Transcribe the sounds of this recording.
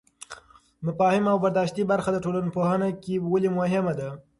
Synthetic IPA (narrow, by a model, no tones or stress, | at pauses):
mʊfɑhɪmawbaɾd̪ɑʃt̪ibaɾxad̪əʈolanopohanakewalimʊɦɪmad̪a